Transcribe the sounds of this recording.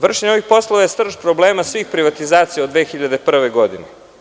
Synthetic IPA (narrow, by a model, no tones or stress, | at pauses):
ʋr̩ʃeɲoʋixpo̞slˠoʋajest̪r̩ʒpɾobleːmasʋiːxpɾiʋat̪izaːt̪sijaod̪ʋeːxiʎad̪e̞pr̩ʋeɡo̞d̪ine